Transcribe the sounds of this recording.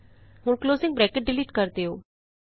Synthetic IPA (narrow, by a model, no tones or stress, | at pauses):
ɦʊɳkloːzɪŋɡbɾɛːkəʈ̚ɖɪliːʈkəɾd̪eːɦo̰ː